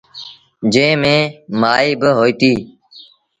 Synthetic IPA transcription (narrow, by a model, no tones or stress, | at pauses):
d͡ʒẽːmẽːmaːiːbəɦoːiːt̪iː